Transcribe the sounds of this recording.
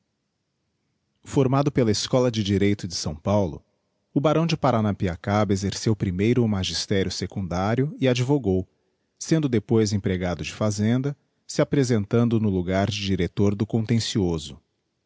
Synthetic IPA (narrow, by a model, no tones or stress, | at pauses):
foɾmad̪ʊpelɐeskɔlɐd͡ʒɪd͡ʒiɾejt̪ʊd͡ʒɪsɐ̃w̃pawlʊ̰ | ʊbaɾɐ̃w̃d͡ʒɪpaɾanapiakabezeɾsewpɾimejɾʊːmaʒist̪ɛɾjʊsekũnd̪aɾjʊɪad͡ʒivoɡow | sẽnd̪ʊd̪epojzẽpɾeɡad̪ʊd͡ʒɪfazẽnd̪ɐ | sɪapɾezẽnt̪ɐ̃nd̪ʊnʊluɡaɾd͡ʒɪd͡ʒiɾet̪oɾd̪ʊkõnt̪ẽsiozʊ